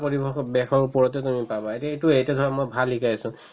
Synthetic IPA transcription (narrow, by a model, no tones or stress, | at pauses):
poɹibexɔbɛxɔɹupɔɹɔtɛtumipabɔetaetuejtɛtʰɔɹamojbʱalːikajsʊ̃